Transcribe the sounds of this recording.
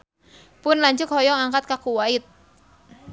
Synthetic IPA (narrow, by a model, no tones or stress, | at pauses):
pʊnlaɲd͡ʒʊk̚hɔjɔŋaŋkat̪̚kakuwaɪt̪̚